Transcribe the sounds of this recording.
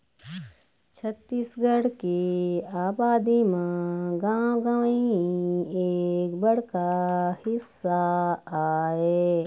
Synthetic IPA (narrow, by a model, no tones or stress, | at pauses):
t͡ʃʰɐt̪ːiːsɡʱəɽkiaːbaːd̪imẽɡãːɡaʋi | eːkbɐɽ̤kahɪsːaaːeː